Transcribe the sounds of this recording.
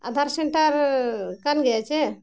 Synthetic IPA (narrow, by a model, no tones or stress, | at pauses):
a̰d̪ʱaɾseɳʈəɾkanɡɛt͡ʃe